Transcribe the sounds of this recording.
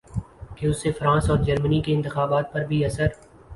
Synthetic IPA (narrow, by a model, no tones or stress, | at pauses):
keʊsːefɾãːsɔːɾd͡ʒɐɾmənikeɪ̃nt̪ɪxaːbaːt̪̚pɐɾbʱiɐsəɾ